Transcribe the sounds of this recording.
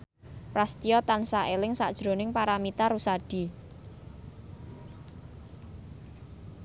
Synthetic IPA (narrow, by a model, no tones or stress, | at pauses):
pɾast̪ijɔt̪ansaʔelɪŋsad̥ʒ̥ɾo̤nɪŋpaɾamit̪arusaɖ̥i̤